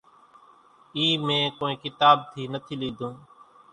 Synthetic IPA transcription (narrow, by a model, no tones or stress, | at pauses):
iːmẽːkoːĩːkɪt̪aːb̚t̪ʰiːnət̪ʰiːliːd̪ʱũː